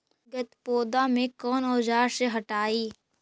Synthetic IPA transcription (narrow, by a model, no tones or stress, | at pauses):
ɡət̪poːd̪amẽkɔːnɔːd͡ʒaːɾseɦɐʈaːiː